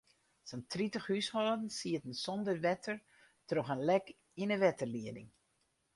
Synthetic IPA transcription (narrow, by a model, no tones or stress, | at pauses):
səntritəxhyshɔːdn̩siətn̩sɔndəʋɛtʰər | troxənlɛk | inəʋɛtərliədɪ̰ŋ